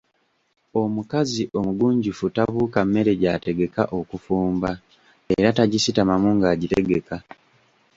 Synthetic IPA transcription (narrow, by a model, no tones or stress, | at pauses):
o̞mukaziʔo̞muɡuːɲɟufutaβuːkamːe̞ɾe̞ɟaːte̞ɡe̞kaʔo̞kufuːmba | eɾataɟisitamamuŋɡaːɟite̞ɡe̞ka